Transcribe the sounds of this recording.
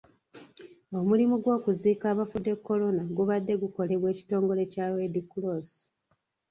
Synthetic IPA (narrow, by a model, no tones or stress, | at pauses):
o̞mulimuɡwo̞ːkuziːkaːβafude̞kːo̞lo̞naɡuβadːe̞ɡuko̞le̞βwe̞ːci̥to̞ːŋɡo̞le̞cawedikulosi̥